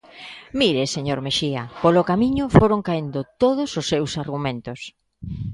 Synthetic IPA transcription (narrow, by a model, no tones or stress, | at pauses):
miɾeseɲoɾmeʃiɐpolokamiɲʊfoɾoŋkaend̪ʊt̪oðʊsʊsːewsaɾɣumẽnt̪ʊs